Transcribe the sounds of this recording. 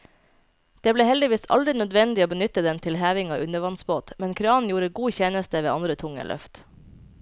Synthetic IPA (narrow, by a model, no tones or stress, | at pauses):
d̪̥eːbleːhɛld̪ɪʋiːsɑ̰ld̪ɾɪnœd̪ʋɛnd̪ɪoːbənʏt̪əd̪ɛnt̪ʰɪlhæːʋɪŋɑ̰ːʔʉnəʋɑnsboːt̪mɛnkʰɾɑːnjuːɾəɡuːçɛːnəst̪əʋeːɑnd̪ɾət̪ʰʊŋə̰lʔœ̰ft̪